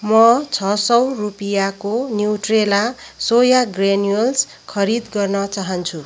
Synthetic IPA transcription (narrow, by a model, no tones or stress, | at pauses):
mʌt͡sʰʌsʌwrupijakonjiwʈrelasojaɡrenijols | kʰʌɾid̪ɡʌrnʌt͡saɦʌnt͡sʰu